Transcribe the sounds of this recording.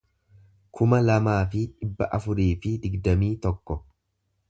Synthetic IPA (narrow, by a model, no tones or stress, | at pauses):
kʰʊmɐlɐmaːfɪᶑɪbːɐʔɐfʊɾiːfɪd̪ɪɡd̪ɐmiːt̪ɔkːɔ